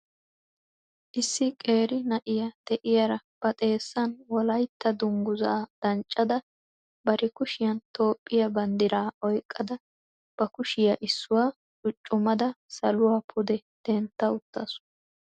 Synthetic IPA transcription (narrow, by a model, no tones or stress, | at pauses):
ʔɪsːɪkʼe̞ːɾɪnɐʔɪjɐd̪̥ɛʔɪjaɾɐb̥ɐt̪ʼe̞ːsːɐnwɔlɐjt̪ːɐd̪ʊŋɡʊzaːd̪̥ɐnt͡ʃʼːɐd̪ɐ | bɐɾɪkʊʃɪjɐnt̪o̞ːpʼːɪjɐbɐnd̪ɪɾaːʔɔjkʼːɐd̪ɐ | b̥ɐkʊʃɪjɐʔɪsːʊwaː | t͡ʃʼʊt͡ʃʼːʊmɐd̪ɐsɐlʊwaːpʰʊd̪ɛd̪̥ɛnt̪ːɐʊt̪ːɐsʊ̥